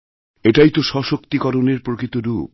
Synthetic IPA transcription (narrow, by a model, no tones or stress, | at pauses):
eʈajt̪oʃɔʃokt̪ikɔɾoneɾpɾokɾit̪oɾup̚